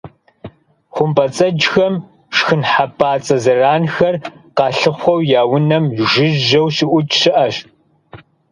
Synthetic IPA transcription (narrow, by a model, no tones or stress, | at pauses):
χʷʊmbɐt͡sʼɐd͡ʒxɐm | ʂxɨnħapʰaːt͡sʼɐzɐraːnxɐrqɑːɬɨχʷɔwjaːwʊnɐmʒɪʒɐwɕɪʔʷʊt͡ʃʼʃɪʔɐʃ